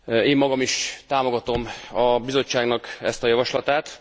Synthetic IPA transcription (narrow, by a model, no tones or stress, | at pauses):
eːmːɒɡɒmiʃt̪aːmo̞ɡɒt̪o̞mɒbizo̞t͡ʃːaːɡnɒkɛ̰st̪ɒjɒvɒʃlɒt̪aːt̪